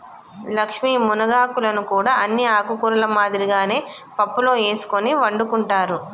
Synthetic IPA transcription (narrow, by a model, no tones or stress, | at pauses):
lɐkʂmiːmunɐɡaːkulɐnukuːɽaːɐnːiaːkukuɾɐlɐmaːd̪iɾiɡaːne̞ː | pɐpːulo̞ːeːsu̥koniʋɐɳɖukuɳʈaːɾu